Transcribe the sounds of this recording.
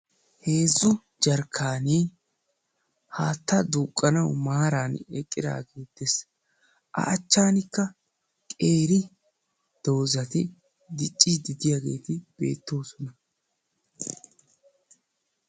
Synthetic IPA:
he̞ːzːʊ | d͡ʒɐɾkʰːaːniː | haːt̪ːɐd̪uːkʼːɐnɐwmaːɾaːnɛkʼːɪd̪a̰ːɡe̞ːd̪ɛs | ʔɐ̰ʔɐt͡ʃːaːnɪkːɐ | kʼe̞ːɾɪ | d̪̥o̞ːzɐt̪ɪ | d̪ɪt͡ʃʼːid̪ɪd̪ɪjaːɡe̞̰ːt̪ɪb̥e̞̰ːt̪ːo̞ːsɔnɐ

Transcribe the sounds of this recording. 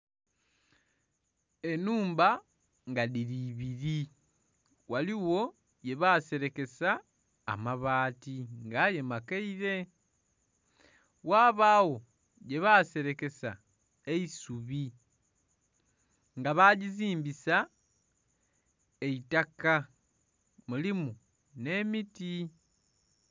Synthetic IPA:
e̞nuːmba | ŋɡaðiɾiβiɾi | waliwo̞ | je̞βase̞ɾe̞ke̞sa̰ː | maβaːtiŋɡaje̞makeiɾe̞ | waːβaːwo̞ | je̞βase̞ɾe̞ke̞sa | eisuβi | ŋɡaβaɟiziːmbisa | e̞itaka | mulimu | ne̞miti

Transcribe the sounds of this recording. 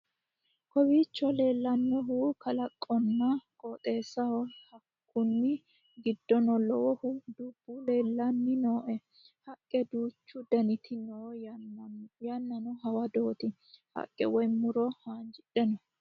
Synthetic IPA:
kɔwiːt͡ʃːɔle̞ːlːɐnːɔɦuːkʰɐlɐkʼːɔnːɐkʼoːt̪ʼe̞ːsɐwɔhɐkːʊnːɪ | ɡɪd̪ːɔnɔlɔwɔhud̪ʊb̥ːule̞ːlːɐnːɪnoːʔɛ | hɐkʼːɛd̪uːt͡ʃːʊd̪ɐnɪt̪ʰɪnɔ | janːɐnɔɦɐwɐd̪o̞ːt̪ɪ | hɐ̰kʼːɛ̰wɔjmʊɾɔhaːnd͡ʒɪᶑɛnɔ

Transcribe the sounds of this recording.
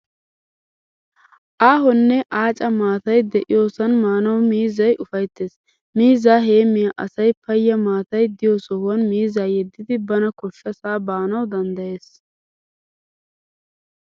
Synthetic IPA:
ʔaːɦɔnːɛʔaːt͡ʃʼɐmaːt̪ɐjd̪ɛʔɪjo̞ːsɐnmaːnɐwmiːzɐjʔʊfɐjt̪ːe̞ːs | miːzaːɦe̞ːmɪjɐʔɐsɐjpɐjːɐmaːt̪ɐjd̪ɪjoːsɔhʊwɐnmiːzaːjɛd̪ːɪd̪ɪbɐnɐkɔʃːɐsaːbaːnɐwd̪ɐnd̪ɐje̞ːs

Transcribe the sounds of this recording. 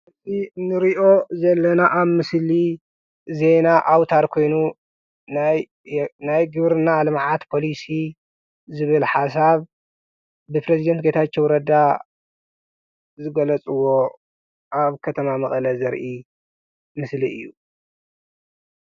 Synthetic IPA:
ɨtʼinɨɾiʔo̞zɐlːɐnaʔaβmɨsli | ze̞naʔawt̪ʰaɾkʰo̞jnu | naj | najɡɨβɾɨnaːlɨmʕat̪pʰo̞lisi | zɨβɨlħas̬aβ | bɨpɾezid̪ɐnt̪̚ɡet̪ʰat͡ʃːowɾɐd̪a | zɨɡɐlɐt͡sʼɨwo̞ | ʔaβkʰɐt̪ʰɐmamɐχʼɐlɐzɐɾʔi | mɨsliʔɨjːu

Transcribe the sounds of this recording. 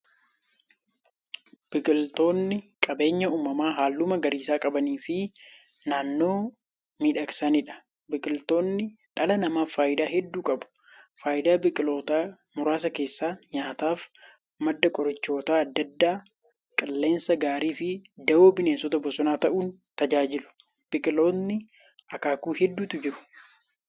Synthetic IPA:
b̥ɪkʼɪlt̪o̞ːnːɪkʼɐbe̞ːɲːɐuːmɐmaːɦaːlːʊmɐɡɐɾiːsaːkʼɐbɐniːfɪ | naːnːo̞ː | miːᶑɐksɐnɪᶑɐ̥ | bɪkʼɪlt̪o̞ːnːɪᶑɐlɐnɐmaːfːaːjɪd̪aːɦɛd̪ːuːkʼɐbʊ̥ | faːjɪd̪aːbɪkʼɪlo̞ːt̪aː | mʊɾaːs̬ɐke̞ːsːaːɲaːt̪aːf | mɐd̪ːɐkʼɔɾɐt͡ʃːo̞ːt̪aːɐd̪ːɐd̪ːaː | kʼɪlːe̞ːnsɐɡaːɾiːfɪd̪ɐwoːbɪneːnsɔt̪ɐbɔsɔnaːt̪ɐʔuːn | t̪ɐd͡ʒaːd͡ʒɪlʊ̥ | b̥ɪkʼɪlo̞ːɪ | ʔɐkaːkuːɦɛd̪ːuːt̪ʊd͡ʒɪɾʊ̥

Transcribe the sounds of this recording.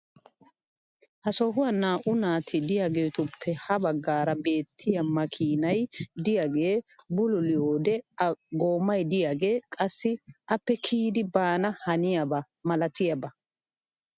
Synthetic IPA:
hɐsɔɦʊwanaːʔʊnaːt̪ʰɪd̪ɪjaɡe̞ːt̪ʊpʰːɛhɐbɐɡːaːɾɐbe̞ːt̪ʰːɪjɐmɐkʰiːnɐjd̪ɪjaɡe̞ːbʊlʊlɪjoːd̪ɛɡoːmːɐjd̪ɪjaɡe̞ːkʼɐsːɪʔɐpːɛkʰiːd̪ɪbaːnɐhɐnɪjɐbɐmɐlɐt̪ɪjɐbɐ

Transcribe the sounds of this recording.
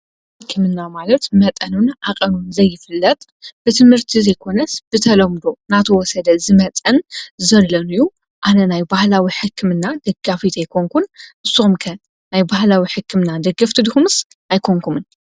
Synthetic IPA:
ħɨkʰːɨmɨnːamalɐt̪mɐt̪ʼɐnunʔaqʼɐnunzɐjːɪfɨlːɐt̪ʼ | b̥ɨt̪ʰɨmhɨɾt̪ʰizɐjkʰo̞nɐsb̥ɨt̪ʰɐlɐmd̪o̞nat̪ʰɐwɔsɐd̪ɐzɨmɐt̪ʼɐnzɐlːɐnɨju | ʔanɐnajbahlawiħɨkʰːɨmɨnːad̪ɐɡafit̪ʰajkʰoŋkʰunʔɨsːuxumkʰɐ | najbahlawiħɨkʰːɨmnad̪ɐɡɐft̪ʰɨd̪ɨxumɨs | ajkʰoŋkʰumɨn

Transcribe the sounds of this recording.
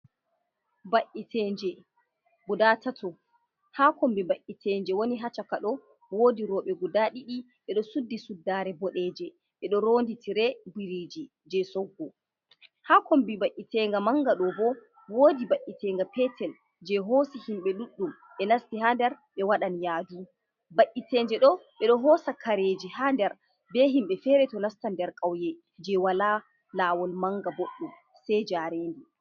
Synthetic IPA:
baʔitʰɛːnd͡ʒɛ | budaːtatɔ | haːkɔmbibaʔːitʰɛːnd͡ʒɛwoniɦat͡ʃakaɗɔ | woːdiɾɔɓɛɡudaɗiɗi | ɓɛɗɔsudːisudːaːɾɛbɔɗɛːd͡ʒɛ | ɓɛɗɔɾoːnditʰiɾɛbiɾiːd͡ʒi | d͡ʒɛsɔɡːɔ | hakɔmbibaʔːitɛŋɡamaŋɡaɗɔbɔ | woːdibaʔːitɛŋɡapɛtʰɛl | d͡ʒɛɦoːsihimɓɛɗuɗːum | ɓɛnastihandɛɾ | ɓɛwaɗanjaːdu | baʔːitɛnd͡ʒɛɗɔɓɛɗɔɦɔːsakaɾed͡ʒihandɛɾ | bɛɦimɓɛfɛːɾɛtɔnastandɛɾkʼawjɛ | d͡ʒɛwala | laːwɔlmaŋɡaboɗːum | sɛjd͡ʒaːɾeːndi

